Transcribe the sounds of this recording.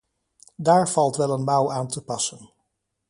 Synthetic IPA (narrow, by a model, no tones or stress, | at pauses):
daːɹv̥ɑlˠtʋɛlˠənmɑwaːntəpɑsən